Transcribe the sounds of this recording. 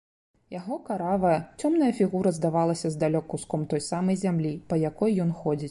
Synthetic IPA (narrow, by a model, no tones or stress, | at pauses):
jaɣɔkaɾavɐjɐt͡sʲɔmn̪ɐjɐfʲiɣuɾɐzd̪avalˠɐsʲɐzd̪alʲɔkuskɔmt̪ɔjsamɐjzʲamlʲipɐjakɔjːɔnxɔd͡zʲit͡sʲ